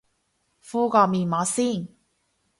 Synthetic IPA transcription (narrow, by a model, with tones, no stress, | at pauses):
fuː˥kɔː˧miː˨nmɔː˨˧˥siː˥˩n